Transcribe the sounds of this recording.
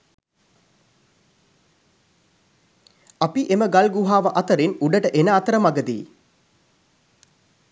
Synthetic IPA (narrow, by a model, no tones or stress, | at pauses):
apiʔeməɡalɡuɦaːʋəʔat̪əɾinuɖəʈəʔenəat̪əɾəmaɡəd̪ḭː